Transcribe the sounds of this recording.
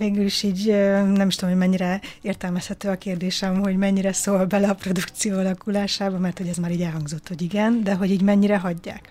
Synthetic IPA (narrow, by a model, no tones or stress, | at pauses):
veːɡyliʃiːɟønɛmiʃt̪omɦomɛɲːiɾɛeːrt̪ɛlmɛshɛt̪øːɒkeːrd̪eːʃɛmɦo̞ɟmɛɲːiɾɛsoːlbɛlɛɒpro̞d̪ukt̪sijoːɒlɒkulaːʃaːbɒmɛrt̪ho̞ɟɛzmaːɾiːɟɛlɦɒŋɡzo̞t̪ːho̞ɟiɡɛnd̪ɛɦo̞ɟiːɟmɛɲːiɾɛɦɒɟːa̰ːk